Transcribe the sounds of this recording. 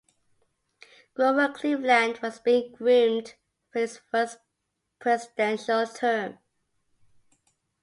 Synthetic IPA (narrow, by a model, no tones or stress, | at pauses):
ɡ̥lobəlkʰl̥ivlæ̃ndwʌzbĩŋɡɹĩmd | fɪsfɜˑs | pʰɹ̥ɛzɪdɛ̃nʃəltʰɜːm